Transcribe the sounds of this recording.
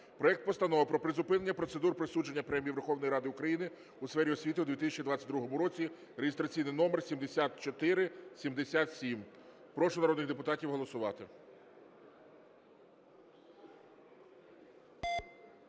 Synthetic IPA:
pɾɔɛk̚t̪̚pɔst̪ɐnɔʋɐpɾɔpɾɪzʊpɪne̞nʲːɐpɾɔt̪sed̪urpɾɔsud͡ʒenʲːɐpɾɛmʲijiʋerxɔwnɔjɾɑd̪ɪʊkɾɐjinɪ | usfɛɾʲiɔsʲʋʲit̪ɪʊd̪ʋʲit̪ɪsʲt͡ʃid̪ʋɑt͡sʲːɐt̚ʲd̪ɾuɦɔmʊɾɔt͡sʲi | ɾeɦɪst̪ɾɐt͡sʲijnɪjnɔmersʲimd̪esʲat̪t͡ʃɔt̪ɪɾɪsʲimd̪esʲat̪sʲim | pɾɔʃʊnɐɾɔd̪nɪɣd̪epʊt̪ɑtʲiwɦɔlˠɔsʊʋɑt̪ɪ

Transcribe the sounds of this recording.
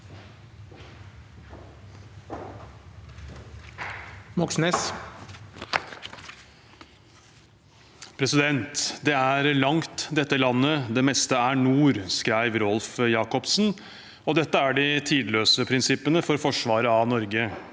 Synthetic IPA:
mɔksnes | pʰɾɛsɪd̪ɛnt̪d̪ɛæɾlɑŋt̪d̪ɛt̪ːəlɑnːəd̪ɛmɛst̪əæɳuːɾskɾæɪʋɾɔlfjɑːkɔpsn̩ | ɔd̪ɛt̪ːəæɖɪt̪ʰiːd̪løːsəpʰɾɪnsɪpːənəfɔɾfɔʂʋɑːɾəɑnɔɾɡə

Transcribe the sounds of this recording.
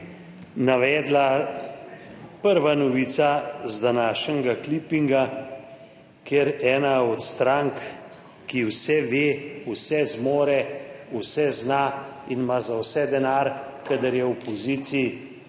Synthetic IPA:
naʋɛːd̪la | pəɾʋanɔʋit̪sazd̪anaːʃnʲɛɡaklipiŋɡa | keɾɛːnaɔt̪st̪ɾaŋkː | iwsɛʋeːusɛzmoːɾɛusɛznainmazawsɛd̪ɛnaɾkad̪əɾjɛwpɔziːt̪si

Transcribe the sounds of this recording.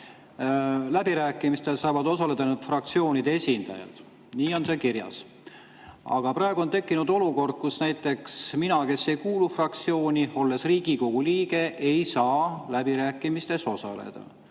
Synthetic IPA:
læbiɾæːkːˑimist̪e̞lsɑːvɑd̪o̞sɑle̞d̪̥ɑnet̪frɑk̚t̪sio̞ːnid̪eesʲind̪̥ɑ̰jɑ̰d̪̥ | niːo̞nse̞kirjɑ̰s | ɑ̰ɡ̥ɑprɑeɡ̥uo̞nt̪e̞kːinud̪o̞luko̞rd̪̥̚kusnæjt̪ːˑe̞ksminɑke̞sːe̞jkuːlufrɑk̚t̪sio̞ːnʲio̞lːe̞sriːɡ̥iko̞ɡ̥uliːɡ̥e̞ʔe̞jsɑːlæbiɾæːkˑːimist̪e̞so̞sɑ̰lḛd̪̥ɑ̰

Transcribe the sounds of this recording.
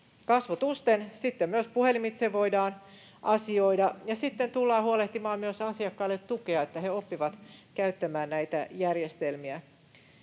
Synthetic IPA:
kɑsʋot̪ust̪ensit̪ːemmyøspuhelimit̪seʋo̞idɑːn | ʔɑsio̞idɑjɑsit̪ːent̪ulːɑːhuoleht̪imɑːmmyøsɑsiɑkːɑilːet̪t̪ukeɑet̪ːæheopːiʋɑt̪kæyt̪ːæmæːnnæjt̪æjærjest̪elmiæ

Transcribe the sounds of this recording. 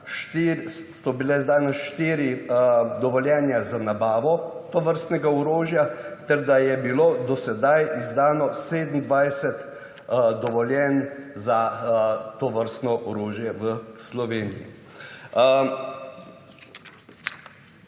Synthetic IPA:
ʃt̪ːsɔbilɛzd̪aːjnɛʃt̪iːɾid̪ɔʋɔljɛːnjazanabaːʋɔt̪ɔʋəɾst̪nɛɡaɔɾoːʒjat̪ɛɾd̪ajɛbiloːd̪ɔsɛd̪ajʔizd̪aːnɔseːd̪m̩d̪ʋajsɛt̪ | d̪ɔʋɔljɛnza | t̪ɔʋəɾst̪nɔʔɔɾoːʒjɛʋəslɔʋeːnijḭ

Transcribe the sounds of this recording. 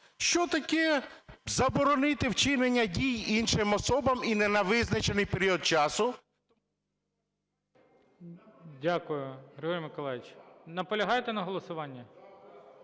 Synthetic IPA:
ʃt͡ʃɔt̪ɐkɛzɐbɔɾɔnɪt̪ɪwt͡ʃɪnenʲːɐdʲijinʃɪmɔsɔbɐminɛnɐʋɪznɐt͡ʃenɪjpeɾʲiɔd̪̚t͡ʃɑsʊ | dʲakʊjʊɾɪuɾʲmɪkɔlˠajʋɪt͡ʃnɐpɔlʲɐɦɑjt̪ɛnɐɦɔlˠɔsʊʋɑnʲːɐ

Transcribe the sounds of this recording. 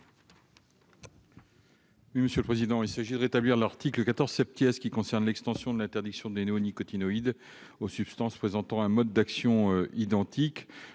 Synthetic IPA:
wiməsjøləpχezid̪ɑ̃ilsaʒid̪əʁet̪abliʁlaʁt̪ikləkat̪ɔʁz̥sɛt̪̚pjɛskʲikɔ̃sɛʁnlɛkst̪ɑ̃sjɔ̃d̪əlɛ̃t̪ɛʁd̪iksjɔ̃d̪eneonikɔt̪inɔid̪ | osypst̪ɑ̃spχezɑ̃t̪ɑ̃ɛ̃mɔd̪ːaksjɔ̃øid̪ɑ̃t̪ʰik

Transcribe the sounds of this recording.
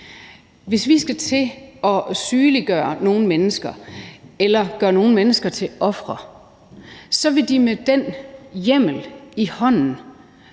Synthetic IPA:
ʋe̝sʋisɡ̥æt͡sʰe̝ɒ̽syːliɡ̥ɶːɐno̝ːn̩menəsɡ̥ɐelɐɡ̥ɶɐno̝ːn̩menəsɡ̥ɐt͡sʰe̝lɒ̽fʁɐ | sɒ̽ʋe̝d̥imed̥enjem̰l̩ihɒ̽n̰n̩

